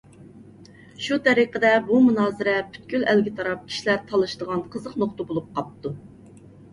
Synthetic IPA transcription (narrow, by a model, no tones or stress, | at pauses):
ʃut̪ʰɛɾiqəd̪ɛbumunɑːzɨɾɛpʰy̥t̪̚kʲylælɡʲɪt̪ʰɑɾɑp̚kʲʰi̥ʃilæɾt̪ʰɑlˠɨʃd̪əʁɑnqʰəzəqnoχt̪əbolˠup̚qʰɑp̚t̪ʰːu